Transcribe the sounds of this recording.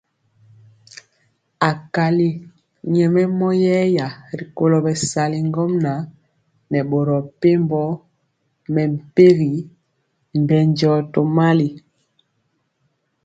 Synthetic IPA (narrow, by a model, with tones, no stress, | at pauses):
a˨ka˨li˦ | ɲɛ˨mɛ˦mɔ˦jɛ˦ja˨ɾi˨ko˦lɔ˨bɛ˨sa˨li˨ŋɡɔ˦mna˨ | nɛ˨ɓo˨ɾɔ˨pe˦mbɔ˦ | mɛ˨m̩˨pe˦ɣi˨ | m̩˨bɛ˨ɲd͡ʒɔ˦to˨ma˦li˨